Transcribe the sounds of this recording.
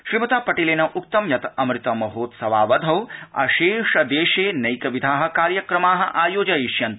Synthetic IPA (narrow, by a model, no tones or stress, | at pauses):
ʃɾimɐt̪aːpɐʈileːnɐʔuk̚t̪ɐmjɐt̪ɐmɾɪt̪ɐmɐɦoːt̪sɐʋaːʋɐd̪ʱɐwɐ̰ʃeːʂɐd̪eːʃeːnɐjkɐʋid̪ʱaːɦɐ̆kaːɾjɐkɾɐmaːɦɐ̆ʔaːjoːd͡ʒɐjiʃjɐnt̪